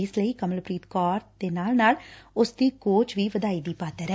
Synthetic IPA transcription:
ɪsləiːkəməlpɾiːt̪kɔːɾd̪̥eːnaːlnaːlʊsd̪iːkoːt͡ʃʋiːʋəd̪aːiːd̪iːpaːt̪ɛːɾɛ

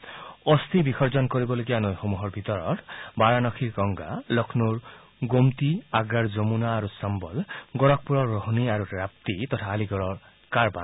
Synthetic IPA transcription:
ɔst̪ʰibikʰɔɾd͡ʒɔnkoɾibɔloɡianɔjxomuɦɔɾbʱit̪ɔɾɔɾbaɾanɔkʰiɾɡɔŋɡa̰lɔkʰnuɾ | ɡomt̪iaɡːaɾd͡ʒomunaːɾusambɔlɡɔɾɔk̚puɾɔːoɦniaɾuɾap̚t̪it̪ɔtʰaːliɡɔɾɔɾ | kaɾba̰n

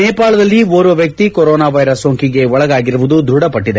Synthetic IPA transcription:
nɛːpaːɭɐd̪ɐlːioːɾʋɐʋjɐk̚t̪ikɔɾɔːnaːʋɐjɾɐsːoːŋkiɡe̞ɔɭɐɡaːɡiɾuʋud̪ud̪ɾuɽɐpɐʈːid̪e̞

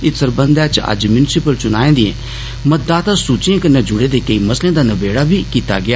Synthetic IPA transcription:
ɪt̪səɾbə̃nd̪at͡ʃə̰d͡ʒmjʊnɪsɪpəlt͡ʃʊnaːẽːd̪iḛ̃ː | mət̪̚d̪aːt̪asuːt͡ʃiẽkənẽd͡ʒʊɽeːd̪eːkəiməslẽːd̪aːnəbeːɽaːbʱiːkiːt̪a̰ɡɪaː

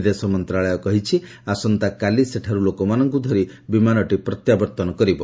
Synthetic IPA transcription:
d̪esɔmɔnt̪ɾaɭɔjɔkɔɦit͡ʃʰi | asɔnt̪akaliseʈʰaɾulokɔmanɔŋkud̪ʱɔɾibimanɔʈipɾɔt̪jabɔɾt̪ɔnɔkɔɾibɔ

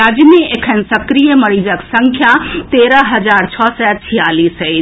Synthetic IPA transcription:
ad͡ʒmeʔekʰənsɐkɾijəmɐɽid͡ʒəksəŋkʰjat̪eːɾəɦɐd͡ʒaːɾt͡ʃʰɔːsɛt͡ʃʰijaːliːsəi

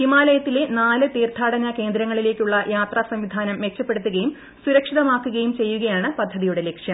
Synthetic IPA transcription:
himaːlɐjɐt̪ːile̞naːlɨt̪iːrt̪ʰːaːɽɐnɐke̞ːnd̪ɾɐŋːɐɭileːkʲːuɭːɐjaːt̪rɐsɐmʋid̪ʱaːnɐmːek̚t͡ɕːɐpːe̞ɽut̪ːuɣɐjum | suɾɐkʂiðɐmaːkːuɣɐjumt͡ɕe̞jːuɣɐjaːɳɨpɐd̪ʱːɐðijuɽe̞lekʂjɐm

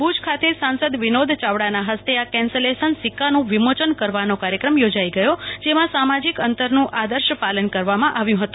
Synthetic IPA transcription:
bʱud͡ʒkʰat̪ʰesãnsəd̪ʋinod̪ʱt͡ʃaʋɽanaɦəst̪eakɛ̃nselesənsikːanũʋimot͡ʃənkəɾʋanokaɾjəkɾəmjod͡ʒaiɡəjod͡ʒemãsamad͡ʒikənt̪əɾnũʔʔad̪əɾʃəpalənkəɾʋamãʔaʋjũɦət̪ũ

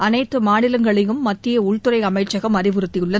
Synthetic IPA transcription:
ʔɐnɐɪt̪ːɯmaːnɪlɐŋɡɐɭɐjɯmːɐt̪ːɪjɐʊɭt̪ɯɾɐɪɐmɐɪʈt͡ʃːɐɣɐmɐɾɪʋɯɾɯt̪ːɪjɯɭːɐ

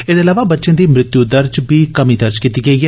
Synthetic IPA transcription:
ed̪eːəlaːʋaːbətːʃẽːd̪iːmɾɪt̪jud̪əɾd͡ʒbiːkəmiːd̪əɾd͡ʒkiːt̪iːɡəiːɛː

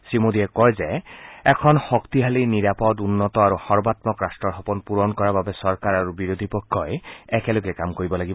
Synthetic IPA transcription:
simod̪iɛkɔjzɛɛkʰɔnxɔkt̪iɦaliniɹapɔdunːɔt̪ɔaɹuxɔɹbat̪mɔkɹastɹɔɹɦɔpɔnpuɹɔnkɔɹababɛsɔɹkaɹaɹubiɹod̪ʱipɔkʰːɔjɛkɛloɡɛkamkoɹibɔlaɡib

